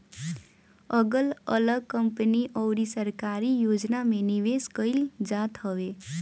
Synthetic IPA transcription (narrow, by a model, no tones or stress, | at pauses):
ʌɡəlʌ̰ləɡ̚kʌmpəniʔʌwɾisəɾkaɾijod͡znameniʋeskəild͡ʒat̪ɦʌwe